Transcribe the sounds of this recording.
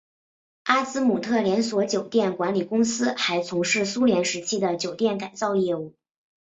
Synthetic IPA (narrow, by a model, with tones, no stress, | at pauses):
a˥t͡sɹ̩˥mu˨˩t̪ʰɤ˥˩ljɛ˧˥nswɔ˧˥t͡ɕjo˨˩ʊt̪jɛ˥˩nkwa˧˥nli˨˩kʊ˥ŋsɹ̩˥xa˧˥ɪt͡sʰʊ˧˥ŋʂɻ̩˥˩su˥ljɛ˧˥nʂɻ̩˧˥t͡ɕʰi˥d̪ə˨t͡ɕjo˨˩ʊt̪jɛ˥˩nka˨˩ɪt͡sɑ˥˧ʊjɛ˥˧u˥˩